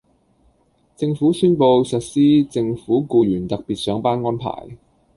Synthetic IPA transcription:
t͡sɪ˧ŋfuː˨˥syː˥npo˧wsɐ˨t̚siː˥t͡sɪ˧ŋfuː˨˥kuː˧jyː˨˩nt̪ɐ˨k̚piː˨t̚sœː˨˥ŋpaː˥nŋɔː˥npʰa̰ː˨˩j

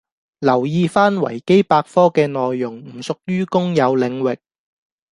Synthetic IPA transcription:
lɐ˨˩wjiː˧faː˥nwɐ̰˨˩jke˥jpaː˧k̚fɔː˥kɛː˧nɔː˨jːʊ˨˩ŋm̩˨˩sʊ˨k̚ɥyː˥kʊ˥ŋjɐ˨˧wlɪ˨˧ŋwɪ˨k̚

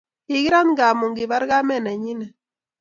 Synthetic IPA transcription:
ɪ˨ɡɪ˦ɾa˦nɡa˨mu˨ŋɡɪ˨ba˦ɾɡa˦mɛ˦˨na˨ɲi˦nɛ˨

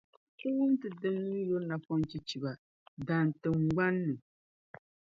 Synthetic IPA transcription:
ko˦wʊ˦n˦tɨ˨dɨ˦ŋ˦ɨ˦jo˦lna˨fɔ˦n˦t͡ʃi˦t͡ʃi˨ba˨ | da˨n˨tɨ˨ŋɡ͡ba˦nːɨ˨

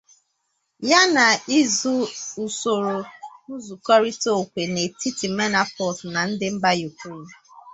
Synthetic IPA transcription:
ja˦na˨i˦zu˦u˨so˨ɾo˨u˦zu˨kɔ˦ɾi˦to˦˨kʷe˨ne˨ti˦ti˨me˦na˦pɔ˨sna˨n̩˦dɪ˦m̩˦ba˦ju˨kɾe˦˨n˨

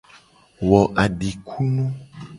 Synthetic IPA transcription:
wɔ˨ʔa˨ɖi˨kʰu˦nũ˦

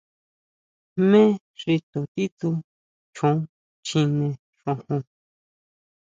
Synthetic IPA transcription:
mẽ˦ | ʐi˧t̪o˨t̪i˦t̪u˧ | t͡ʃõ˨˦ | t͡ʃĩ˧nẽ˧ | ʂõ˧hũ˧

